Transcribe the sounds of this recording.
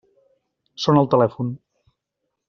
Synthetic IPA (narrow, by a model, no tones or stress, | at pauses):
sonəlˠt̪əlɛfun